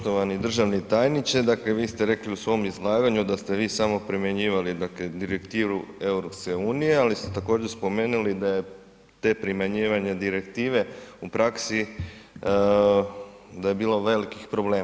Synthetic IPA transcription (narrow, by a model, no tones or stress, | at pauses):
pt̪oʋanid̪r̩ʒaʋnit̪ajnit͡ʃ̪ed̪akleʋiːst̪e̞ɾe̞kliusʋo̞mizlˠaːɡaɲud̪ast̪eʋiːsamo̞pɾimeɲiːʋalid̪akled̪iɾekt̪iːɾue̞uɾo̞pske̞uːnije̞alist̪et̪ako̞ːd͡ʑeɾspo̞me̞ːnulid̪aje̞ | t̪epɾimaɲiːʋaɲed̪iɾe̞kt̪iːʋe̞upɾaksi | d̪aje̞biːlo̞ʋe̞likixpɾo̞ble̞ːm